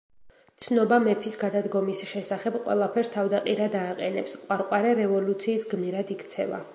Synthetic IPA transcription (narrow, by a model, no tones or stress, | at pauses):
t̪sʰnɔbamɛpʰisɡad̪ad̪ɡɔmisʃɛsaχɛbqʼwɛ̰lˠapʰɛɾst̪ʰavd̪aqʼiɾad̪aːqʼɛnɛpsqʼwaɾqʼwaɾɛɾɛvɔlut̪sʰiːsɡmiɾad̪ikʰt̪sʰɛva̰